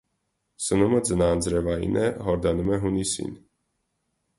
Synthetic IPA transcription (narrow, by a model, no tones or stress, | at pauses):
sənuməd͡zənɑːnd͡zɾɛvɑjḭnʔɛɦɔɾd̪ɑnumɛɦunisḭn